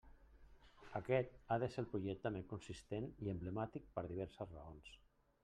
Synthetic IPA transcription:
əkɛt̪aðəselpɾuʒɛk̚t̪əmeŋkunsist̪eniəmbləmat̪ik̚pəɾðiβ̞ɛɾsəzrə̰ons

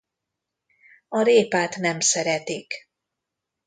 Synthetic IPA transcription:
ɒɾeːpaːt̪nɛmsɛɾɛt̪ik

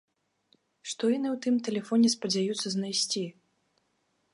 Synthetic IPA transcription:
ʂt̪ɔjanɨwt̪ɨmt̪ɛlʲɛfɔnʲɛspɐd͡zʲajut̪sːɐznajsʲt͡sʲi

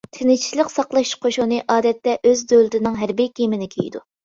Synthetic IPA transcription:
t̪ʰɪnɪt͡ʃʰi̥lˠəqsɑqlˠɑʃqʰoʃunɨʔɑːd̪ɛt̪ːɛʔøzd̪ølˠɪt̪ʰɪnɨŋɦæɾbijkʲemɪnɪkʲʰḛjd̪u

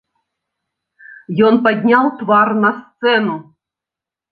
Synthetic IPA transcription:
jɔnpad̪ʲnʲalˠt̪vɑrnɐst̪sɛnu

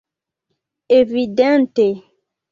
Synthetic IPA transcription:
evidɛ̃nt̪e

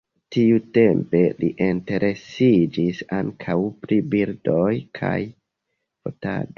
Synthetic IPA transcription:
tiute̞mpe̞liʔente̞ɾʔe̞sid͡ʒisaŋkʰawpɾibiɾdojkʰa̰j | fo̰ta̰do

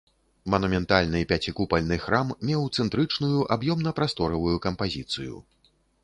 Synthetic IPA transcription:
mɐnumʲɛnt̪alʲnɨpʲat͡sʲikupɐlʲnɨxɾammʲɛwt̪sɛnt̪ɾɨt͡ʂnujuʔabjɔmnɐpɾast̪ɔɾɐvujukɐmpazʲit̪sɨ̰jṵ

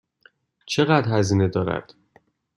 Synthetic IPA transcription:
t͡ʃʰe̞ɣæd̪hæziːne̞d̪ɒːɾæ̰d̪̥

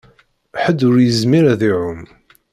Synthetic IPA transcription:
ħəd̪ːʊɾjəzmiɾæðiʕʊm

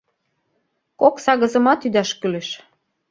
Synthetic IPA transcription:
koksɑɣə̆zə̆mɑt̪yd̪ɑʃkylĕʃ

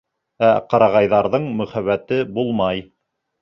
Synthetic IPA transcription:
æqɑɾɑʁɑjðɑɾðɤɴmɵ̆χæβæt̪ɘbulˠmɑj

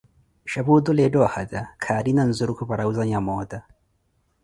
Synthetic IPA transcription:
ʃabud̪ulɛdɔhadakʰaːɾinan̩zuɾukupaɾauzaɲamɔd̪a

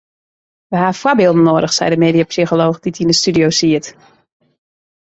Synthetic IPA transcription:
ʋəɦaːfwɔbɪːlˠdən̩noədəxsɛ̰jdəmeːdiapsixoloːxd̥itinəstydiowsiət

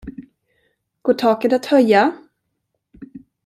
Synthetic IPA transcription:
ɡ̥oːʈʰɑːkət̪at̪hœjːa

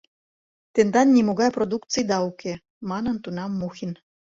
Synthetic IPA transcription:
t̪end̪ɑnːʲimoɣɑjprod̪ukt͡sɨjd̪ɑuke | mɑnɤ̆nt̪unɑmːuxin

